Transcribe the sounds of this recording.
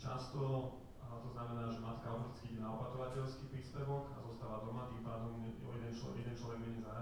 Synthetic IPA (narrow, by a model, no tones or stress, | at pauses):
t͡ʃa̰st̪ɔ | t̪ɔznamɛnaːʒɛmat̪kaɔt̪i̥t͡skiiɟɛnaɔpat̪ɔʋacɛʎskiːpɾiːspɛʋɔka̰zɔst̪aːʋad̪ɔmat̪impaːd̪ɔmɔ̰jɛd̪ɛnt͡ʃɔjɛd̪ɛnt͡ʃlɔʋɛɡmɛɲɛzaɾa